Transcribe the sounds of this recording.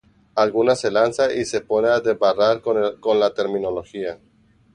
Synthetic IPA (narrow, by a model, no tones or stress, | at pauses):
alɣunase̞lansaʔise̞po̞neaðeβaraɾko̞nlat̪e̞ɾmĩno̞lo̞xia